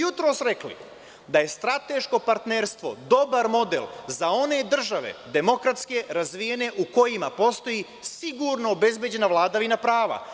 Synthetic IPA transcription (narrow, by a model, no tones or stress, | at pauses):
jut̪ɾo̞ːsɾeklḭ | d̪aje̞st̪ɾat̪e̞ʃko̞paɾt̪neɾst̪ʋo̞d̪o̞baɾmo̞d̪elˠzao̞ne̞d̪r̩ʒaʋe̞̰d̪e̞mo̞kɾat̪ske̞ɾazʋije̞ne̞ʔuko̞jimapo̞st̪o̞ji | siɡuːɾnoːbe̞zbje̞d͡ʑe̞naʋlˠaːd̪aʋinapɾaːʋa̰